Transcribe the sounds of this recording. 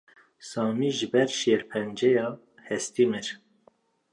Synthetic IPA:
sɑːmiːʒɨbɛɾʃeːɾpʰɛnd͡ʒɛjɑː | hɛst̪imɨɾ

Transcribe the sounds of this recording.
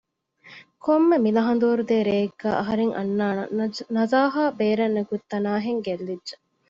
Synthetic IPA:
kʰomːemilɐɦɐnd̪uːɾud̪eːɾeːɡːæːʔɐɦɐɾeŋʔɐ̰nːaːnɐzaːɦaːbeːɾɐnːɐɡut̪ːɐnaːɦeŋɡelːidʒe

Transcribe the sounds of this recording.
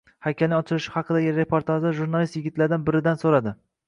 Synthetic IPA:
hakʲʰːalnɪŋɒt͡ʃʰɪlɪʃɪ̥hɑqʰɨd̪aɡʲɪɾe̞pʰoɾt̪ʰaʒd̪aʒuɾnalˠist̪jɪɡʲɪt̪laɾɪd̪anbɪɾɪd̪ansoɾad̪ɪ

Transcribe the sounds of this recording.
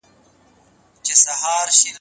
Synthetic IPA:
t͡ɕesɐhaːɾɕin

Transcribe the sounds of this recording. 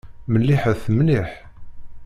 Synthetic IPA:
mənlːiħəθmliħ

